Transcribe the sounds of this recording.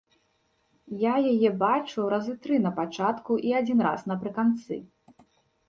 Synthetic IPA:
jajajɛbat͡ʂuɾɐzɨt̪ɾɨnɐpat͡ʂat̪kuʔiad͡zʲinɾa̰snɐpɾɨkant̪sɨ̰

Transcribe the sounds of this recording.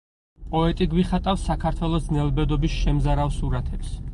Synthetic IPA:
pʼɔɛt̪ʼiɡwiχat̪ʼafsakʰaɾt̪ʰwɛlˠɔsnɛlbɛd̪ɔbisʃɛmzaɾawsuɾat̪ʰɛps

